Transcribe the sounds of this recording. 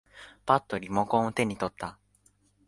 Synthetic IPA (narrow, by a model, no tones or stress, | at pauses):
b̥at̪ːo̞ɾʲimokõɰ̃ot̪e̞ɲ̟it̪o̞t̪ːa